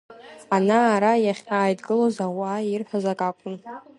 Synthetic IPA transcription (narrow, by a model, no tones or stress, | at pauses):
anaːɾajaχʲaːjdɡɨlozawaːirħʷᶣazakʼakʷʼʊn